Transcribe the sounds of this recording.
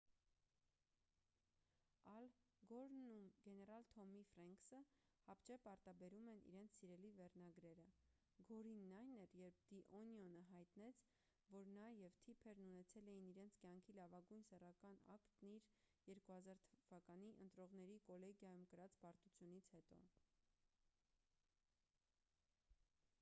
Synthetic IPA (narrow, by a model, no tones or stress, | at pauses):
ɑl | ɡɔɾnumɡɛnɛɾɑlt̪ʰɔmifɾɑŋksəhɑpt͡ʃɛpɑɾt̪ɑbɛɾumɛnʔḭɾɛnt͡sʰsiɾɛlivɛrnɑɡɾɛɾə | ɡɔɾinːɑjnɛɾjɛɾp̚d̪̥iʔɔnjɔnəɦɑjt̪nɛt͡sʰ | vɔɾnɑjɛvt̪ʰipʰɛɾnunɛt͡sʰɛlɛjiniɾɛnt͡sʰkjɑŋkʰilɑvɑɡujnsɛrɑkɑnɑ̰kt̪niɾ | jɛɾkuhɑzɑɾt̪ʰvɑkɑniʔənt̪ɾɔʁn̪ɛɾikɔlɛɡjɑjumkəɾɑt͡spɑɾt̪ut͡sʰjunit͡sʰhɛt̪ɔ̰